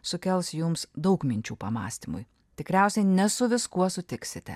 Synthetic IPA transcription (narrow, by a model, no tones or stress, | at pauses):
sʊkʲɛlˠsjʊmsd̪ɒʊkmʲɪnʲt͡ʃʲuːpɐmɑ̰ːsʲt̪ʲimʊ̰j | t̪ʲɪkɾʲæˑʊsʲɛɪnʲɛsʊʋʲɪskuɔsʊt̪ʲɪksʲɪt̪ʲɛ̰